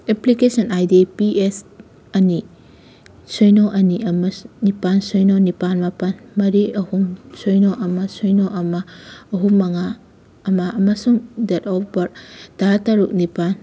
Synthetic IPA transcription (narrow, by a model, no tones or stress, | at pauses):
eplikesɐnajdepies | ɐni | sojnoʔɐniɐmɐnipansojnonipanmapɐnmɐɾiɐhumsojnoʔɐmɐsojnoʔɐmɐːɦumːɐŋa | ɐmaʔɐmɐsuŋdetɔpʰbɐɾtaɦataɾuk̚nipan